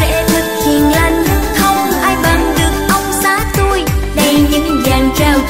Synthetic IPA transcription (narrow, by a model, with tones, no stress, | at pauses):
ḛ˧˥t̪ʰɨ˨˩k̚hi˨˩˨ənlə˧ŋə˦˥k̚t̪ʰə˧wŋ͡mʔaː˧jvə˧˩nɗɨ˨˩ək̚ʔə˧wŋ͡msaː˨˦t̪u˧jɗə˧jɲɨ̰˧˥ŋzaː˨˩nt͡ɕəː˧˩w